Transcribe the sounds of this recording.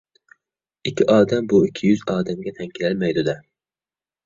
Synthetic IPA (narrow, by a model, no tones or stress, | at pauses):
ɪkʲʰːɪʔɑːd̪ambʊɪkʲʰːɪjʊzɑːd̪amɡʲat̪ʰaŋkʲʰɪlalmajd̪ʊd̪a